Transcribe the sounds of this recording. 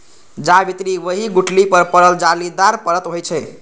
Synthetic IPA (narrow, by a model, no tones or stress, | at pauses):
d͡ʒabit̪ɾiwəɦiɡuʈlipəɾpəɾəld͡ʒalid̪aɾpəɾət̪ɦojt͡ʃʰɛ